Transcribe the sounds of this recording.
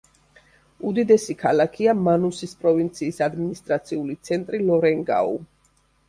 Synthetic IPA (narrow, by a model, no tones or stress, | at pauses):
ud̪id̪ɛsikʰalakʰiamanusispʼɾɔvint̪sʰiːsad̪minist̪ʼɾat̪sʰiulit̪sʰɛnt̪ʼɾilɔɾɛŋɡa̰ṵ